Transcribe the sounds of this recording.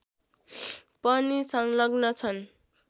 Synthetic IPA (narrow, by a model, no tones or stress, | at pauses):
pʌnisʌŋlʌɡnʌt͡sʰʌn